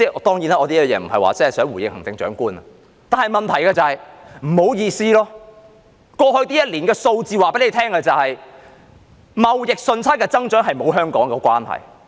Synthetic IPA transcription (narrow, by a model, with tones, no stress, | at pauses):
t͡sɛː˥˩˧t̪ɔː˥ŋjiː˨˥naː˥ʔɔː˨˧t̪iː˥˨˧jɛː˨˧m̩˨˩hɐ̰˨jwa̰ː˨˩t͡sɐ˥hɐ˨˩sœː˨˥ŋwu˨˩jɪ̰˨ŋ̚hɐ˨ŋt͡sɪ˨˧ŋt͡ʃœ̰ː˨˥ŋkuː˥nɐ˨ | t̪aː˨nhɐ˨˩jmɐ˨nt̪ʰɐ˨˩jkɐː˧t͡sɐ˨˧hɐ˨jm̩˨˩ho˨˥wjiː˧siː˥lɔː˥ | kɔː˧hɵ˧ɥt̪iː˥jɐ˥t̚liː˨˩nkɛː˧so˧wt͡siː˨waː˨pe˨˥le˨˧˥t̪ʰɛː˥ŋkɐ˧t͡sɐ˨whɐ˨j | mɐ˨wjɪ˨k̚sɵ˧nt͡sʰaː˥kɛː˧t͡sɐ˥ŋt͡ʃœː˨˥ŋɦɐ˨jmo˨˧wɦœː˥ŋkɔː˨˥ŋkɛ˧kʷaː˥nhɐ̰˨j